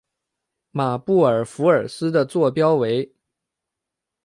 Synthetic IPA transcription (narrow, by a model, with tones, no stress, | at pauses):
ma˨˩pu˥˩ə˞˨˩fu˧˥ə˞˨˩sɹ̩˥d̪ə˨t͡swɔ˥˩pjɑ˥ʊwe˧˥ɪ